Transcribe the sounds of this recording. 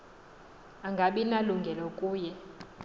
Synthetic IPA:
aŋɡʱaɓinaluŋɡʱɛlɔkʼuːjɛ

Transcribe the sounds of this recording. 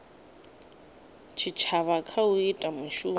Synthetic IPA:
t͡ʃʰit͡ʃʰaβakʰauitʼamuʃuː

